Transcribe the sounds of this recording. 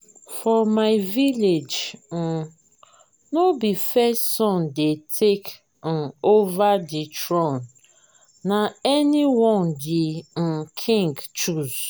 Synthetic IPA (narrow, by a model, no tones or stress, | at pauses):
fɔmaɪviled͡ʒn̩ | nobifɛstsɔ̃ndetʰek̩ | ovaditɹɔ̃n | naɛniwɔ̃ndɪn̩kʰĩŋɡt͡ʃuz̥